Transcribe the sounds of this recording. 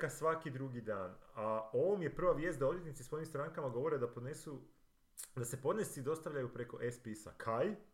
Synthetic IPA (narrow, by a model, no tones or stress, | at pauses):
kasʋakid̪ɾuɡid̪aːnaoʋomje̞pr̩ʋaʋje̞ːst̪d̪ao̞d̪jet̪nit̪iso̞jimst̪ɾaŋkamaɡo̞ʋo̞ɾed̪apod̪nesu | d̪ase̞po̞d̪ne̞sid̪o̞st̪aʋʎajupɾe̞ko̞ʔespisa̰kʰaj